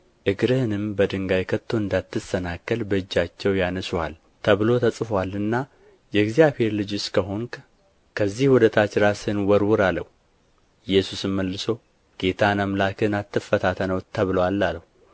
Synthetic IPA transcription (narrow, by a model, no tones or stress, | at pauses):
ʔɨɡɾɨhnɨmbəd̪ɨŋɡajkʰət̪ʰːo̞ɨnd̪at̪ːɨsənakːəlbəɨd͡ʒːat͡ʃːɛwjanəswa̰l | t̪ʰəβlo̞t̪ʰəsʼfwalɨnːa | jɛɡzijaβhe̞ɾlɨd͡ʒʊskʰəɦo̞ŋ | kʰəzːihwɔd̪ət̪ʰat͡ʃɾasɨnwɔɾwʊɾaləhu | jːɛsusɨnməlːɨso̞ | ɡ̥e̞t̪ʰanamlakʰɨnat̪ːɨfːət̪ʰat̪ʰənəwt̪ʰəβləwalːaləhu